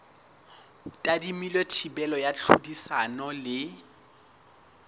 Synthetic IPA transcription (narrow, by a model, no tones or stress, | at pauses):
tʼadimilwetʰibɛlɔjat͡ɬʰṵdisanɔlɪ